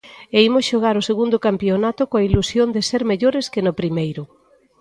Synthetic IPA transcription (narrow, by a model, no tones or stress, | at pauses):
eimʊsʃoɣ̞aɾʊseɣund̪ʊkampjonat̪ʊkoailusjond̪ɪseɾmeʎoɾeskɪnʊpɾimejɾʊ